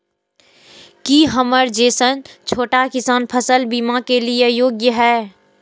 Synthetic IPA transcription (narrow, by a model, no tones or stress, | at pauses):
kiɦəməɾd͡ʒeːsənt͡ʃʰoːʈakɪsaːnpʰəsəlbiːmakeliejoːɡjəɦɛː